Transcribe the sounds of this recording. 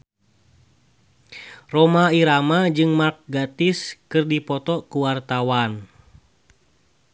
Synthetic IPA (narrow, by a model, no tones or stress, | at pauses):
rɔmaiɾamad͡ʒɨŋmak̚ɡat̪iskɨrdipɔt̪ɔkuwart̪awan